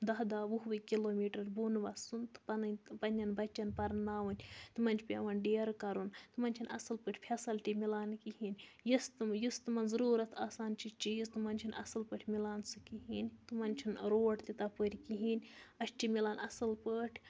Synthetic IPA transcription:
d̪ɐɦd̪aːʋuɦʋɨkiloːmʲiːʈɐɾbunʋɐsunt̪ɨ̥pɐnʲpɐnʲɐnbɐt͡ʃʲːɐnpɐɾnaːʋunʲt̪ɨmɐnʲt͡ʃʰʲpʲḛʋɐnɖeːɾkɐɾunt̪ɨmɐnʲt͡ʃʰinɐ̰sɨlpəʈʰʲpʰʲɐsɐlʈʲimilaːnkiɦinʲjist̪mjist̪ɨmɐnzɐɾuːɾɐt̪ʰaːsaːnt͡ʃit͡ʃiːzt̪ɨmɐnʲt͡ʃʰinɐ̰sɨlpəʈʰʲmilaːnsɨkiɦinʲt̪ɨmɐnʲt͡ʃʰinɾoːʈt̪it̪ɐpəɾʲkiɦinʲɐʃʈimʲilaːnɐsɨlpəːʈʲʰ

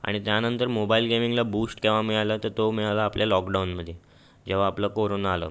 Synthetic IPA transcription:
a̰ɽ̃it̪janənt̪əɾmobailɡemiŋɡlabusʈkeʋ̤amiɭalət̪əɾt̪omiɭalaːpljalɔkɖaunməd̪ʱːje | d͡ʑeʋ̤aːpləkoɾonaːlə̰ː

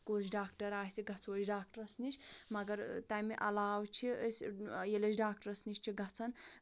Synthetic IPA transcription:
koːt͡ʃʰɖaːkʈɐɾaːsiɡʱɐt͡sʰoːt͡ʃɖaːk̚ʈɐɾɐsnit͡ʃmɐɡɐɾt̪ajmiʔɐlaːwt͡ʃʰiəsʲjelɐt͡ʃɖaːkʈɐɾɐsnit͡ʃʲt͡ʃʰiɡʱɐt͡sʰɐn

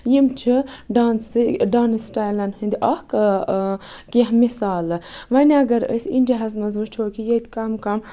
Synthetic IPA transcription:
jimt͡ʃʰiɖaːnsɖaːnɨsʈaːjlɐnhɨnd̪iʔɐhk | kiɦmisaːlʋɐnʲɐɡɐɾə̰siɳdʲiɦɐzmɐzut͡ʃʰoːkʰijɐt̪ʲkɐmkɐm

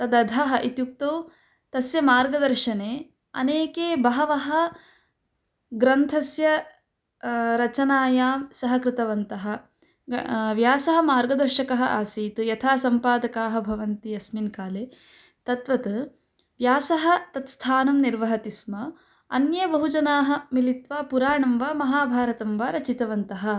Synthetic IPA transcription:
t̪ɐd̪ɐd̪ʱɐɦɐʔit̪juk̚t̪oː | t̪ɐsjɐmaːɾɡɐd̪ɐɾʃɐneː | ɐ̰neːkeːbɐɦɐʋɐɦɐ̆ | ɡɾɐnt̪ʰɐsjɐ | ɾɐt͡ʃɐnaːjaːmsɐɦɐkɾɪt̪ɐʋɐnt̪ɐɦɐ̆ | ʋjaːsɐɦɐ̆maːɾɡɐd̪ɐɾʃɐkɐɦɐʔaːsiːt̪ɨjɐt̪ʰaːsɐmpaːd̪ɐkaːɦɐ̆bʱɐʋɐnt̪iɐsminkaːleː | t̪ɐt̪ʋɐt̪ɐ | ʋjaːsɐɦɐ̆t̪ɐt̪st̪ʰaːnɐmniɾʋɐɦɐt̪ismɐ | ɐ̰njɐbɐɦud͡ʒɐnaːɦɐ̆milit̪ʋaːpuɾaːɳɐmʋaːmɐɦaːbʱaːɾɐt̪ɐmʋaːɾɐt͡ʃit̪ɐʋɐnt̪ɐɦɐ̆

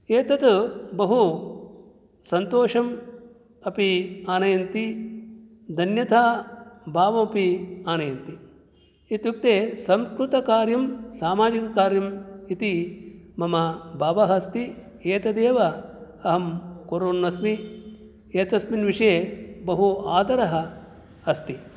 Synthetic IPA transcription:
eːt̪ɐt̪bɐɦu | sɐnt̪oːʂɐm | ɐpiaːnɐjɐnt̪i | d̪ʱɐnjɐt̪ʰaːbʱaːʋɐmɐpiaːnɐjɐnt̪i | it̪juk̚t̪eːsɐmskɾut̪ɐkaːɾjɐmsaːmaːd͡ʒikɐkaːɾjɐmit̪imɐmɐbʱaːʋɐɦɐst̪i | eːt̪ɐd̪eːʋɐ | ɐɦɐmkoɾoːnʋɐsmi | eːt̪ɐsminʋiʂɐjebɐɦuaːd̪ɐɾɐɦɐ̆ | ɐst̪i

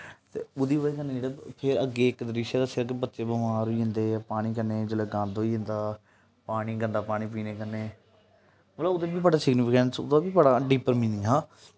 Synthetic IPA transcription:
t̪eːʊd̪iːʋəːeːkəneːd͡ʒeːɽapʰɪɾəɡːeːɪk̪ɾɪʃeːd̪aːsɪɾəkebət̪ːʃeːbəmaːɾoiːɦɪ̃nd̪eːpaːɽ̃iːk̬əɾneːd͡ʒeloːɡãːnd̪oːiːɦẽnd̪aː | paːɽ̃iːɡənd̪aːpaːɽ̃iːp̬iːneːkəɾneː | əlaːʊd̪eːbiːbəɽaːsɪɡnɪpʰɪkəɳʈsʊ̰d̪aːbiːbəɽaːɖiːpəɾmĩːnd̪iːɦãː

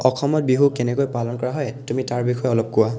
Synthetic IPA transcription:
ɔxʰɔmɔt̚biɦukɛnɛkojpalɔnkɔɹaɦɔjtumitaɹbixʰɔjɛɔlɔp̚kuwa

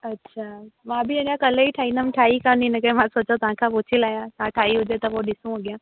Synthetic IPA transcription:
ɐtːɕʰaːmãːbʱɪɐ̃ɲãkɐləiʈʰaːĩnəmʈʰaːikãnĩnɐkɐẽmãsoːt͡ɕot̪ɐɦãkʰãpʊt͡ɕʰɪlaːjãt̪ɐãʈʰaːiɦʊd͡ʑet̪ɐpoɗɪsũɦoɠɪjãː

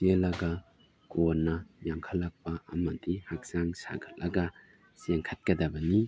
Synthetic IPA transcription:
ielɐɡɐ | konːɐjaŋkʰɐlːɐk̚pɐɐmɐdihak̚z̥aŋsa̰ɡʰɐtlɐɡɐ | seŋkʰɐt̚kɐdɐbɐni

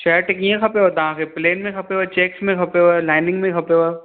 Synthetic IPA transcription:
ʃɐɾʈɪk̬ĩjẽkʰɐpeʋat̪ɐɦãkepleːnmẽkxʰɐpeʋat͡ʃeːksmẽkʰɐpeʋalaːɪnɪ̃ŋɡmẽkʰɐpeʋaː

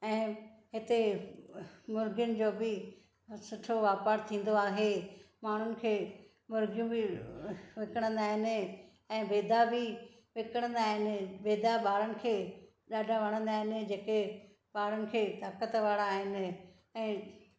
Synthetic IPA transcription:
ɛ̃ːɦɪt̪e | mʊɾɡjʊnɪ̆d͡ʑoːbɪ | sʊʈʰoʋaːpaːɾt̪ʰĩːn̆d̪oaːɦe | maːɳ̤ʊnɪ̆kʰeː | mʊɾɡjũbɪ | ʋɪkəɽ̃ə̃nd̪aːɦɪnɪ̆ | ɛ̃ːbeːd̪ʱabɪ | ʋɪkəɽ̃ə̃nd̪aːɦɪnɪ̆beːd̪aɓaːɾənɪ̆kʰeː | ɗaːɖʱaʋɐɽ̃ə̃nd̪aːɦɪnɪ̆d͡ʑeːke | ɓaːɾənɪ̆kʰeːt̪aːkət̪ʋaːɽaːɦɪnɪ̆ | ɛ̃ː

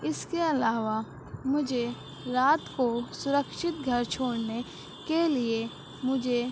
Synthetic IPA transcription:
ɪskeɐlaːʋa | mʊd͡ʒʱe | ɾaːt̪kosʊɾəkʃɪt̪ɡʱɐɾt͡ʃʰoːɽne | kelie | mʊd͡ʒʱe

